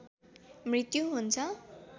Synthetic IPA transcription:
mrit̪juɦunt͡sʰʌ

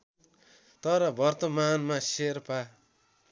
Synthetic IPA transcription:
t̪ʌɾʌbʌrt̪ʌmanmaserpa

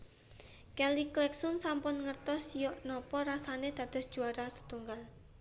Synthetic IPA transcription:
kɛliklɛksɔnsampʊnŋərt̪ɔsjɔʔnɔpɔɾasaned̪̥ä̤d̪̥ɔ̤sd̥ʒ̥uaɾasə̥t̪uŋɡal

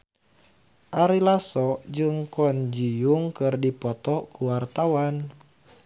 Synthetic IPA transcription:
ʔaɾilasɔd͡ʒɨŋkɔnd͡ʒijuŋkɨrdipɔt̪ɔkuwart̪awan

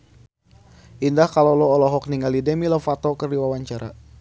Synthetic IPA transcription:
ʔindahkalolɔːlɔɦɔk̚niŋɡalidɛmilɔfat̪ɔkərdiwawaɲt͡ʃaɾa̰

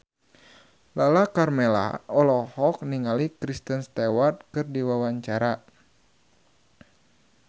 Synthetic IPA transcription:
lalakarmela̰ɔlɔhɔk̚niŋalikɾist̪ənst̪ewart̪̚kɨrdiwawaɲt͡ʃaɾa

